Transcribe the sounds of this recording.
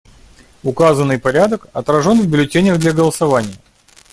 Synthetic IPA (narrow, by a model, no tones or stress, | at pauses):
ʊkazənːɨjpɐɾʲad̪əkɐt̪ɾɐʐo̞nvbʲɪlʲɪtʲenʲəɣd̪lʲɐɡəlˠəsɐvanʲɪjə